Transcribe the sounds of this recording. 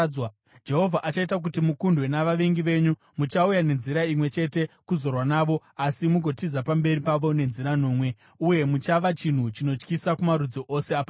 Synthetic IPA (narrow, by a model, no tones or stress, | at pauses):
w | d͡ʒe̞ɦo̞vʱaʔat͡ʃaitak̬utimukundwe̞naʋaʋeŋɡiʋe̞ɲu | mut͡ʃaujane̞nziɾaimwe̞t͡ʃe̞te̞kuzo̞rwanaːʋo̞ | asimuɡʱo̞tizapambe̞ripaʋo̞ne̞nziɾanoːmwe̞ | uje̞mut͡ʃaʋat͡ʃin̤ut͡ʃino̞t͡ʃkisakumaɾud͡zoʔose̞apa